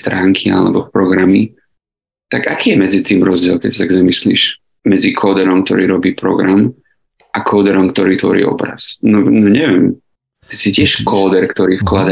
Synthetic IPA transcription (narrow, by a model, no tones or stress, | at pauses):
st̪ɾaːŋkʰia̰lɛ̰bɔpɾɔɡɾami | t̪aɡakiːjɛmɛd͡zit̪iːmɾɔzɟɪɛlˠkɛcsat̪aɡzamislḭːʃ | mɛd͡zikʰɔːd̪ɛɾɔmk̚t̪ɔɾiːɾɔbiːpɾɔ̰ɡɾam | ʔakʰɔːd̪ɛɾɔmkt̪ɔɾiːt̪ʋɔ̰ɾḭːɔ̰bɾa̰snɔnɔɲɛʋɛm | ɛsicɪɛʃkʰɔːd̪ɛɾkt̪ɔɾiːfklad̪a